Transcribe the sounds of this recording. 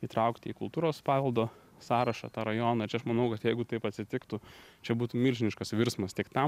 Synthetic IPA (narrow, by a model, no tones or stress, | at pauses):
iːt̪ɾɐʊkt̪ʲɪiːkʊlˠt̪uːɾoːspɑːʋʲɛlˠd̪oː | sɑːɾɐʃɑ̰ːt̪ɑːɾɐjoːnɑːt͡ʃʲɛɐʃmɐnɐʊkɐt̪jɛɪɡʊt̪ɐɪpɐt̪ʲsʲɪt̪ʲɪkt̪ʊt͡ʃʲɛbuːt̪uːmʲilʲʒʲɪnʲɪʃkɐsʋʲɪɾsmɐst̪ʲɪkt̪ɐm